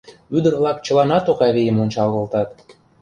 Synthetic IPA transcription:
yd̪ərβlɑkt͡ɕə̆lɑnɑt̪oɣɑβijəmonʲt͡ɕɑlɣə̆lt̪ɑt̪

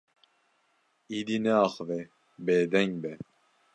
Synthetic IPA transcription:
id̪inɛɑχvɛ | beːd̪ɛŋbɛ

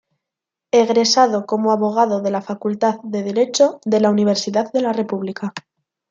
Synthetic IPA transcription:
e̞ɣɾe̞sað̞o̞ko̞moaβo̞ɣ̞aðo̞ðe̞lafakult̪aððe̞ðe̞ɾe̞t͡ʃo̞ðe̞launiβ̞e̞ɾsiðaððe̞lare̞puβlika

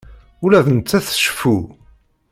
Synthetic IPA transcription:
ulæðənt̪t͡sːæθə̥ʃfu

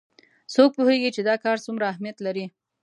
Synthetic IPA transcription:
sok̚poheɡit͡ʃed̪ɑkɑɾsumɾaːhmjat̪laɾi

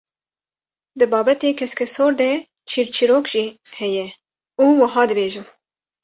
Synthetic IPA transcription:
d̪ɨbɑːbɛt̪eːkʰɛskʰɛsoːɾd̪ɛ | t͡ʃʰiːɾt͡ʃʰiɾoːkʒ̥iː | hɛjɛ | uːwəɦɑːd̪ɨbeːʒun

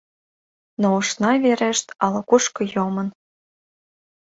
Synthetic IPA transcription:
nouʃnɑveɾeʃt̪ɑlɤ̆kuʃkɤ̆jomɤ̆n

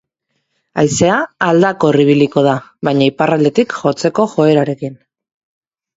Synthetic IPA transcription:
ajse̞aːld̪ako̞riβ̞iliko̞ð̞aβajɲaiparald̪e̞t̪ikʝo̞t͡se̞ko̞ʝo̞e̞ɾaɾe̞kin

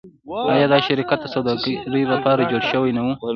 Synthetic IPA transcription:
ɑjɑːd̪ɑʃaɾikat̪̚d̪əsawd̪ɑɡɾilapɑɾad͡ʒoɽʃəwajnawu

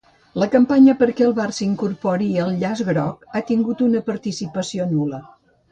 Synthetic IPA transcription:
ləkəmpaɲəpəɾkɛəlˠβarsiŋkuɾpɔɾiəlˠʎazɣɾɔk̚at̪iŋɡut̪unəpəɾt̪isipəsionulə

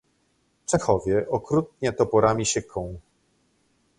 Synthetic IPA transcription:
ft͡ʂɛxɔvʲjɛʔɔkɾut̪̚ɲɛt̪ɔpɔɾamʲiɕɘkʰːɔ̃w̃

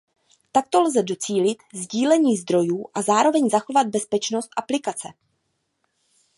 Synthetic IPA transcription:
t̪ak̚t̪o̞lzɛdo̞t͡siːlɪt̪zɟiːlɛɲiːzd̪ɾo̞juːʔazaːɾo̞vɛɲzaxo̞vad̪̚bɛspɛt͡ʃno̞st̪ʔaplɪkat͡sɛ̰

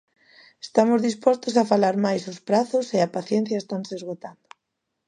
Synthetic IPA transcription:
est̪amʊzðispɔst̪ʊsafalaɾmajsʊspɾaθʊseapaθjen̟θjɐest̪anseezɣot̪and̪ʊ

